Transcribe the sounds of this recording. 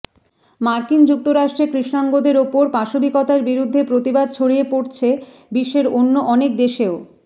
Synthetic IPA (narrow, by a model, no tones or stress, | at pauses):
maɾkind͡ʑuk̚t̪oɾaʃʈɾekɾiʃnaŋɡod̪eɾopoɾpaʃobikot̪aɾbiɾud̪ʱːepɾot̪ibad̪̚t͡ɕʰoɽiepoɽt͡ɕʰe | biʃːeɾonːoʔɔnek̚d̪eʃeo